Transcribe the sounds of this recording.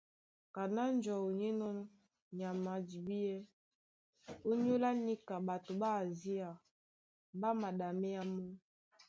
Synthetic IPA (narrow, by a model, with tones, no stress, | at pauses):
ka˨na˦n˦d͡ʒɔ˨o˨ɲɛ˦nɔ˦ | ɲ˨a˨ma˨d͡ʒi˨bi˦ɛ˦ | o˦ɲ˦o˦la˦ni˦ka˨ba˨to˨ba˦˨zi˦a˨ | ba˦ma˨da˨mɛ˦ja˦mɔ˦